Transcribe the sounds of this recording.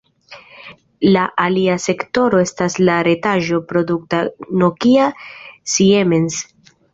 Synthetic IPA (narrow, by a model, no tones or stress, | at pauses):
laʔaliase̞kto̞ɾo̞e̞staslaɾe̞taʒo̞pɾo̞duk̚tano̞kiasiemens